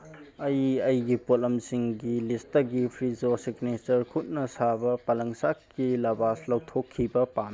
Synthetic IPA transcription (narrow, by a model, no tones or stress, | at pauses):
ɐjɐjɡipolɐmsiŋɡilistːɐɡipʰɾizosiɡnet͡ʃɐɾkʰut̚nɐsabɐpɐlɐŋsakːilɐbaslɐwtʰokʰːibɐpam